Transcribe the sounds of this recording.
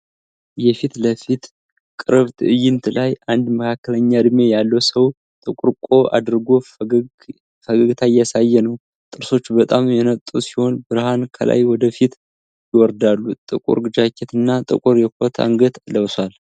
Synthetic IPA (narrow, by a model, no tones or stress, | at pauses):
jɛfit̪ləfit̪ | kʼɨɾβt̪ʰɨʔɨjɪnt̪ʰɨlajʔand̪məkʰakːələɲːad̪ɨme̞jalːəwsəw | t̪ʼɨkʼuɾkʼo̞ʔa̰d̪ɾɡo̞ | fəɡəɡt̪ʰajasajːɛnəw | t̪ʼɨɾso̞t͡ʃːbət̪ʼamjɛnət̪ʼːusi̥ho̞nbɨɾhankʰə̰la̰jwɔd̪əfit̪ | jɪwɔɾd̪alːut̪ʼɨ̰kʼṵɾɡɨd͡ʒakʰːet̪ɨnːat̪ʼɨ̰kʼuɾjɛkʰʷot̪ʰa̰ŋɡət̪ləwswal